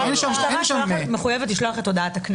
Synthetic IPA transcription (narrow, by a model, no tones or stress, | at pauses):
ɛnʃaaaameχujevetliʃloaχet̪ːodaatakn